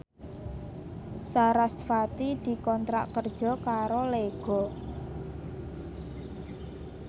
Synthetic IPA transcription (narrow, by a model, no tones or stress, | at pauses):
saɾasfat̪id̪̥i̤kɔnt̪ɾa̰ʔkərd̥ʒ̥ɔ̤kaɾoleɡ̥ɔ̤